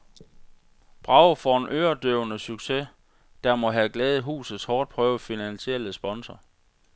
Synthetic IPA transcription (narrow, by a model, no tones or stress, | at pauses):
b̥ʁɑ̈ʊfɒe̝nʔøːɐd̥øʊnəsyɡ̥se | d̥æmɒ̽ɦæɡ̥lɛːð̩ˠɦṵːsð̩ˠshɒːd̥̚pʰʁœːʊfinænɕiel̰əsb̥ɒ̽nsɐ